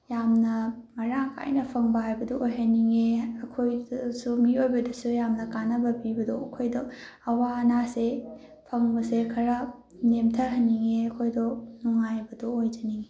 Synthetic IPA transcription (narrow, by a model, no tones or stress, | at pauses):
jamnɐmɐɾakʰa̰jnɐpʰɐŋbɐɦajbɐdɔojɦɐniŋeɐkʰojsumiojbɐdɐsujamnɐkanɐbɐbibɐdoɐkʰojdo | ɐwanase | pʰɐŋbɐsekʰɐɾɐ | nemtʰɐɾɦɐnːiŋeɐkʰojdonuŋajbɐdoojd͡ʒɐniŋe